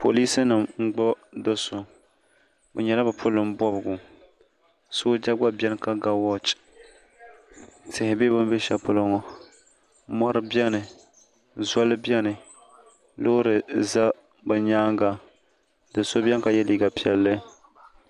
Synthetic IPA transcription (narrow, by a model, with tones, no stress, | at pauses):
pʰo˨liː˦sɨ˦nɨ˨mŋ͡m̩˦ɡ͡bɔ˦dɨ˦so˨ | bɛ˨ɲɛ˨la˦bɨ˨pʰʊ˦lɨ˨m˦bɔ˦bɨ˨ɡʊ˨ | so˦d͡ʒa˦ɡ͡ba˦bʲɛ˦nɨ˦ka˦ɡa˦wɔ˦t͡ʃ | tɪ˨hɪ˨be˦bɨ˦m˦be˦ʃɛ˦pʊ˦lɨ˦ŋɔ˦ | mɔ˦ɾɨ˦bjɛ˦nɨ˨ | zʷɔ˦lɨ˦bjɛ˦nɨ˨ | lo˦ɾɨ˨za˦ | bɨ˨ɲaː˦ŋɡa˨ | dɨ˨so˦bɛ˦n˦ka˨jɛ˦liː˦ɡa˨pi˦˨ɛ˨lːɨ˦